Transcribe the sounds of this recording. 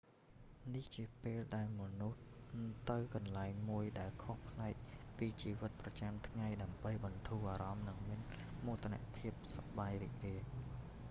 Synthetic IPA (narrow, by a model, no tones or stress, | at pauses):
niht͡ɕiəpeːlɗaɛlmɔnuht̪ɨwkɑnlaɛŋmuəjɗaɛlkʰohpʰlaɛk̚piːt͡ɕiːʋɨt̪̚prɑt͡ɕamt̪ʰŋajɗaəmɓəjɓɑnt̪ʰuːʔaːɾɑmnɨŋmiən | muːt̪ʰːna̰ʔpʰiəp̚sɑɓajrḭːk̚riəh